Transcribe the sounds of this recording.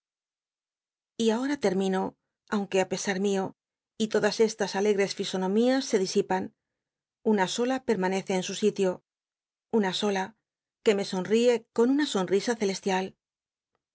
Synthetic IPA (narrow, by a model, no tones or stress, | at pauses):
iao̞ɾat̪e̞ɾmĩno̞ | awŋke̞ape̞saɾmio̞ | it̪o̞ðase̞st̪asale̞ɣɾe̞sfiso̞nõ̞miasːe̞ðisipan | unaso̞lape̞ɾmane̞θe̞ːnsusit̪jo̞ | unaso̞la | ke̞me̞so̞nrie̞ko̞nunaso̞nrisaθe̞le̞st̪jal